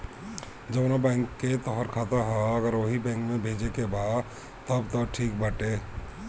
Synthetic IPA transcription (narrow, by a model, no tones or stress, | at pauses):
d͡ʒɐbnabɛ̃ːŋkːet̪ɔɦəɾkʰaːt̪aɦɛ̃ɐɡəɾʋɐɦibɛ̃ːŋkmẽbʱeːd͡ʒekebʱaːd̪ | t̪ɐbt̪ɔʈʰiːk̚bʱɐʈeː